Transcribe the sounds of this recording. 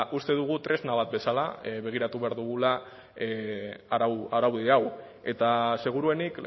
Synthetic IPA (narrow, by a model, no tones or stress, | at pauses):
ʔust̪e̞ðuɣ̞ut̪ɾe̞znaβat̪̚be̞salaβe̞ɣ̞iɾat̪uβe̞aɾðuɣ̞ula | aaɾawðeaw | e̞t̪ase̞ɣ̞uɾue̞nik